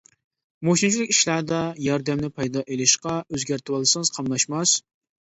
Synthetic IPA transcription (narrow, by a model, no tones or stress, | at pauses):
moʃint͡ʃʰilɪkʲiʃlæɾd̪ɑjɑɾd̪ɛmnɪpʰɑjd̪ɑʔelɪʃqɑøzɡʲæɾt̪ʰɨwɑlˠsɨŋɨzqʰɑmlˠɑʃmɑs